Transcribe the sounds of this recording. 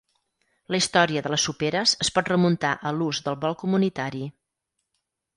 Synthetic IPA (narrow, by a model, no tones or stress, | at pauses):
ləist̪ɔɾiəðələsupeɾəzəspɔt̪rəmunt̪aʔəluzðəlˠβɔlˠkumunit̪aɾi